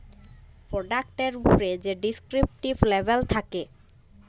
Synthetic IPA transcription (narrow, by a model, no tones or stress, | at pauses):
pɾoɖak̚ʈeɾupoɾed͡ʑeɖiskɾip̚ʈiblebʱelt̪ʰake